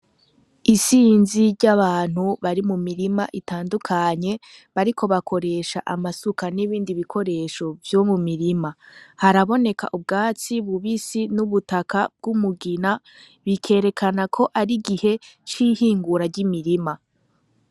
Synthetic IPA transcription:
isiːnziɾɟaβaːn̥huβaɾimumiɾimaʔitaːndukʰaɲe̞ | βaɾikʰo̞βakʰo̞ɾe̞ːʃa̰ʔamasukaniβiːndiβikʰo̞ɾe̞ːʃo̞vjo̞mumiɾimahaɾaβo̞ne̞ka̰ʔubɡaːt͡siβuβisinuβutakʰab̚ɡumuɡina | βikʰe̞ːɾe̞kʰanakʰo̞ʔaɾiɡihe̞t͡ʃihiːŋɡuɾaɟimiɾima

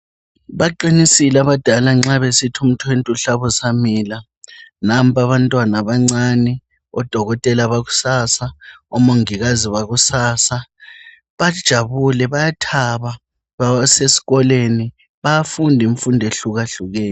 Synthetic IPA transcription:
βaǃinisilaβad̥ʱalaŋ͡ǁaβesitʰum̩tʰɔwentʼuɬaβɔsamiːla | nam̩pʰaβantʼwanaβaŋ͡ǀanɛ | ɔd̥ʱɔɣɔtʼɛlaβaɣu̥saːsaɔmoŋiɣaziβaɣusaːsa | βad̥ʒ̥ʱaβulɛβajatʰaβa | βasesi̥ɣɔleni | βajafundʱiɱfundʱeɬuɣaɬuɣɛːjɔ

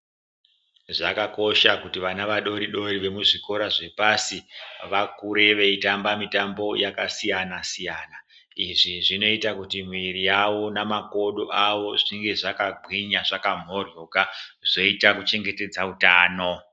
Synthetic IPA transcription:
ʐakako̞ʃakutiʋanaʋaɗo̞ɾiɗo̞ɾiʋe̞muʐiko̞ɾaʐe̞pasiʋakuɾe̞ʋeitambamitambo̞jakasijanasijana | iʐiʐino̞itakutimwiɾijawo̞namako̞ɗo̞ʔawo̞ʐiŋɡe̞ʐakabʱiɲaʐakam̤o̞rjo̞kaʐ̥o̞itakut͡ʃe̞ŋɡe̞te̞d͡zautaːno̞

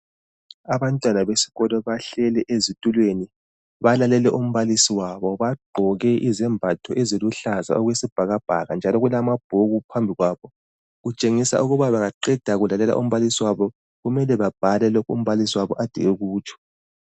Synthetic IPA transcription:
aβantʼwanaβesi̥ɣɔlɔβaɬɛlɛʔezitʼulweni | βalalɛlɛʔum̩βalisiwaβɔβaɡ͡ǃʱɔɣɛʔizɛmbʱatʰɔʔɛzeluɬaza̰ɔɣwesib̥ʱaɣab̥ʱa̰ɣand͡ʒʱalɔɣulamab̥̚ʱoɣupʰambʱiɣwaːβɔ | ɣut͡ʃʼeŋisa̰ʔuɣuβaβaɣaǃɛd̥ʱaɣulalɛla̰ʔum̩βalisiwaβɔ | ɣumɛlɛβab̥ʱalɛlɔkʰṵm̩βalisiwaβɔʔad̥ʱiɣɛɣuːt͡ʃʰʼɔ̥

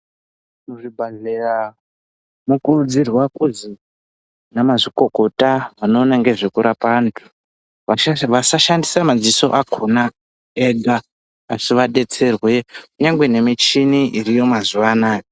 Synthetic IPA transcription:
muʐibʱaɮera | mukurud͡zirwakuzi | namaʐiko̞ko̞taʋano̞ːnaŋɡe̞ʐekuɾapantʰu̥ | ʋaʃaʋasaʃandisamad͡ziso̞̰ʔakʰona | eɡaː | siʋaɗe̞t͡se̞rwekuɲaŋɡwe̞ne̞mit͡ʃiniʔirijo̞mazuʋanaːjo

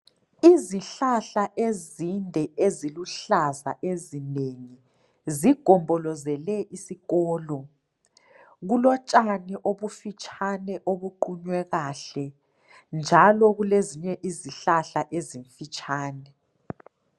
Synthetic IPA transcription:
iziɬaɬaʔezindʱɛeziluɬaza̰ʔezineŋi | ziɡ̥ʱɔmbʱɔlɔzɛlɛʔisiɣɔːlɔ | ɣulɔt͡ʃʼaniʔoβufit͡ʃʼʰanɛʔoβuǃuɲwɛɣaɬɛ | nd͡ʒʱalɔɣuleziɲɛʔiziɬaɬaʔeziɱfit͡ʃʼaːnɛ

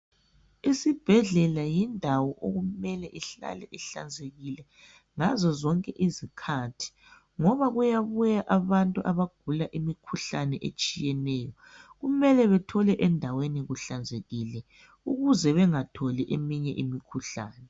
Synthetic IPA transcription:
isib̥ʱɛɮɛlajindʱawɔʔo̰ɣumɛlɛʔiɬa̰lɛʔiɬa̰nd͡zʱeɣilɛ | ŋazɔzɔŋkʼɛʔizikʰatʰi̥ | ŋɔβaɣujaβujaʔaβantʼuʔaβaɡ̥ʱulaʔimikʰuɬanɛʔḛt͡ʃʼijɛnɛːjɔ | ɣumɛlɛβɛtʰɔlɛʔɛndʱaweniɣuɬand͡zʱeɣilɛ | uɣuzɛβɛŋatʰɔliʔemiɲɛʔimikʰuɬa̰ːnɛ

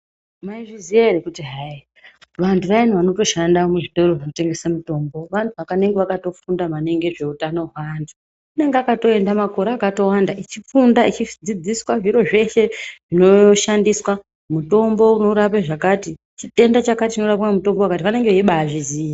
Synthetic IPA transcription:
maiʐizijaeɾekutiɦai | ʋantʰuʋain̤uʋano̞to̞ʃandamweʐitoroʐinote̞ŋɡe̞samuto̞ːmbo̞ʋantʰuʋakane̞ŋɡe̞ʋakato̞fundamane̞ŋɡe̞ʐe̞utano̞ɦwantʰu̥ | une̞ŋɡeakato̞e̞ndamako̞ɾeakato̞wandaʔit͡ʃifundait͡ʃid͡zid͡ziswaʐiɾo̞ʐe̞ʃe̞ʐ̥ino̞ʃandiswa | muto̞mbo̞uno̞uɾapaʐakati | t͡ʃite̞ndat͡ʃakatit͡ʃino̞ɾapkamuto̞mbowakatiʋane̞ŋɡeeiɓaʐiziːja

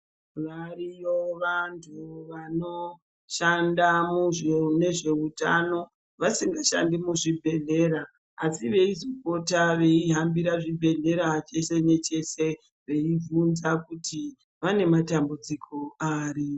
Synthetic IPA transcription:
ʋarijoʋantʰuʋano̞ | ʃandamuʐne̞ʐe̞utano̞ | ʋasiŋɡaʃa̰ndimuʐibʱe̞ɮe̞ɾaː | siʋe̞izokotaʋe̞iɦambiɾaʐibʱe̞ɮe̞ɾat͡ʃe̞se̞ne̞t͡ʃe̞se̞ | ʋe̞ivunzakuti | ʋane̞matambud͡zikʰoaːri

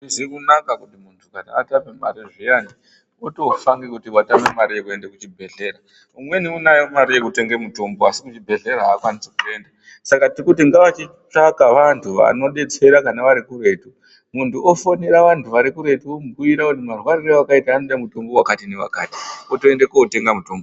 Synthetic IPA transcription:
izikunakakutimuntʰukanaatamemaɾiʐijani | oto̞faŋɡekutiwatamemaɾijekue̞ndekut͡ʃibʱe̞ɮe̞ɾa | umwe̞niunajomaɾijekute̞ŋɡemutomboasikut͡ʃibʱe̞ɮe̞ɾaaːkwanisekue̞nda | sakatirikutiŋɡaʋat͡ʃi | t͡ʂakaʋantʰuʋa̰no̞ɗe̞t͡se̞ɾakanaʋaɾikure̞tu | muntuofoneɾaʋantʰuʋaɾikuɾe̞tuomuɡujiɾakuntimarwaɾirawakaitaːnoɗamuto̞mbo̞wakatineʋa̰kaːti̥otoendekoote̞ŋɡamuto̞ːmbo

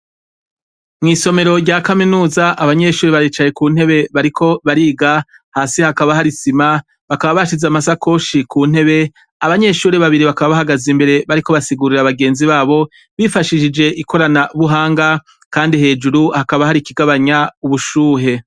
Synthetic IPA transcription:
mŋiːso̞me̞ɾo̞ɾɟakaminuːzaʔaβaɲe̞ʃuːɾeβaɾiːt͡ʃaje̞kuːn̥he̞βe̞βaɾikʰo̞βaɾiːɡa | haːsihakaβaɦaɾisima | βakaβaβaʃizamasakʰo̞ːʃikʰuːn̥he̞βe̞ | aβaɲe̞ʃuːɾeβaβiɾiβakaβaβaɦaɡazimbe̞ɾe̞βaɾiko̞βasiɡuːɾiɾaβaɡe̞ːnziβaːβo̞ | βifaʃiʃid͡ʒe̞ʔiko̞ɾanaβuɦaːŋɡa | kaːndiɦe̞ːd͡ʒuɾuhakaβahaɾikiɡaβaɲauβuʃuːɦe̞

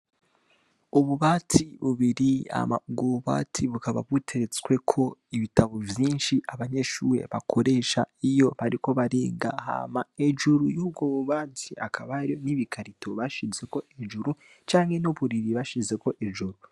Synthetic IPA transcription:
uβuβaːtʰiβuβiɾia̰ma̰bɡoβuβa̰tʰiβukaβa̰βɣutʰe̞ɾet͡swe̞kʰo̞iβitaβovjiːnʃiʔaβaɲe̞ʃuːɾe̞̰βakʰo̞ɾe̞ːʃaijo̞βaɾiko̞βaɾiːŋɡa̰ha̰ːmae̞ʒuɾujuːb̚ɡoβuβaːtʰia̰kʰaβaɾioniβikʰaɾitoβaʃize̞ko̞ʔeʒuɾu | t͡ʃaːŋhe̞nuβuɾiɾiβaʃize̞ko̞ʔeʒuɾu

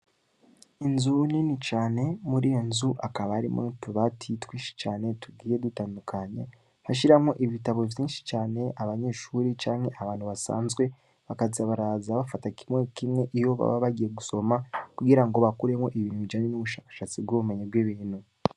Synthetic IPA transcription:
inzuninit͡ʃaːne̞muɾijonzuʔakaβaːɾḭmotuβatʰitwiːnʃi̥t͡ʃaːne̞tuɡiːje̞dutaːndukʰaɲe | haʃ̬iɾamŋo̞ʔiβitaβo̞vjiːnʃi̥t͡ʃaːne̞ʔaβaɲe̞ʃuɾit͡ʃaːŋhe̞ʔaβaːnhuβasa̰ːnzɡwe̞ | βakaziaβaɾazaβafatakimŋe̞kimŋe̞ʔijo̞βa̰βa̰βaɟije̞ɡuso̞makuɡiɾaŋɡo̞βakuɾe̞mo̞ʔiβiːnhuβid͡ʒaɲenuβuʃaːkḁʃat͡sibɡwoβume̞ɲebɡwiβiːnu

